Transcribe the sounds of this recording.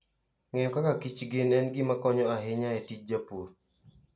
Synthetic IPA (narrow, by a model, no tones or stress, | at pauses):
ŋɛɔkakakit͡ʃɡɪnɛnɡɪmakɔɲɔaɦɪɲaɛtit͡ʃ̚d͡ʒapuɾ